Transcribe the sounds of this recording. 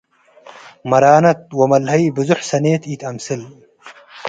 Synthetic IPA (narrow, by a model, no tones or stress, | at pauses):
mɐɾaːnɐt̪̚wɐmɐlhɐjbɨzuħsɐneːt̪iːt̪ʰɐmsɨl